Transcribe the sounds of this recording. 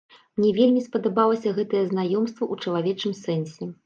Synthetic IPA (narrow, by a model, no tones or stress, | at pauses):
mnʲɛvʲelʲmʲispɐd̪abalˠɐsʲɐɣɛt̪ɐjɛznajɔmst̪vɐʔut͡ʂɐlˠavʲɛt͡ʂɨmsɛnsʲɛ